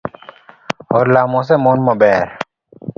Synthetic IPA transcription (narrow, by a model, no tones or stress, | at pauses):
oːɾlaːmõːs̬emoːnmɐbeːɾ